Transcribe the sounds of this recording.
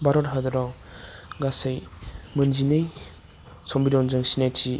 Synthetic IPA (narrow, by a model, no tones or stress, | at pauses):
baɾɔɾɦadɯɾaw | ɡasejmɯnzinɯj | sɔmbiɾɔnzɯŋsinajtʰi